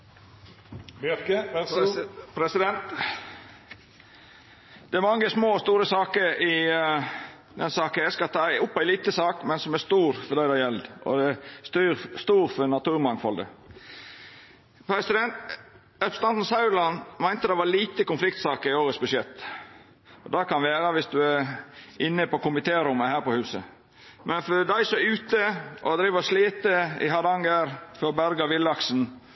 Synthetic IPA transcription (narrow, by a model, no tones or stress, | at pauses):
pɾɛsɪd̪ɛnt̪ | d̪̥ɛæɾmɑŋːəsmoːst̪uːɾəsɑːkəɾɪ | d̪ɛnsɑːkənæskɑt̪ʰɑːɪʊpːæɪliːt̪əsɑːkmɛnsɔmæst̪uːɾfɔɾd̪æɪd̪ɛɑjɛld̪ʔɔ̰d̪ɛæst̪yɾst̪uːɾfɔnɑt̪ʰʉːɾmɑŋfɔld̪ə̰ | pʰɾɛsɪd̪ɛnt̪ | ɛpst̪ɑnt̪n̩sɑʉlɑnmæɪnt̪əd̪ɛɪʋɑɾliːt̪əkʊnflɪkt̪sɑːkəɾɪoːɾət̪sbʉʂjɛt̪ː | ɔd̪ɑkʰɑnʋeːɾəʋɪsd̪ʉæɾɪnːəpɔkʊmɪt̪ʰeːɾʊmːəhæːɾpɔhʉːsə | mʔɛnfɔɾd̪æɪsɔʉːt̪əʔɔd̪ɾiːʋəɔsliːt̪əɪ̰ɦɑd̪ɑŋɡəɾfɔɾɔbæɾɡɑʋɪlːɑksn̩